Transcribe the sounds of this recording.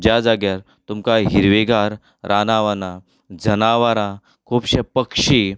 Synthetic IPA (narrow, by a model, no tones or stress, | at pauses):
d͡ʑjad͡zaɡjaɾ | t̪umkaɦiɾʋeɡaɾ | ɾʔanaʋana | d͡zənaʋaɾã | kʰuːpɕepəkʂi